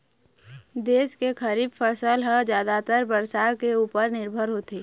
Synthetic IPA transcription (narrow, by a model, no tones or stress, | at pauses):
d̪eːskekʰəɾiːbfʰəsəlɦəd͡ʒjaːd̪at̪əɾbəɾsakeuːpəɾnɪɾbʱəɾɦoːt̪eː